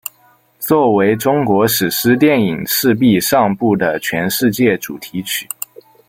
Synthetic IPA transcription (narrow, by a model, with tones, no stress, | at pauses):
t͡swɔ˥˩we˧˥ɪʈ͡ʂʊ˥ŋkwɔ˧˥ʂɻ̩˨˩ʂɻ̩˥t̪jɛ˥˩ni˨˩ŋʂɻ̩˥˧p̬i˥˧ʂɑ˥˧ŋpu˥˩d̪ə˩t͡ɕʰɥɛ˧˥nʂɻ̩˥˧t͡ɕjɛ˥˩ʈ͡ʂu˨˩t̪ʰi˧˥t͡ɕʰy̥˨˩˦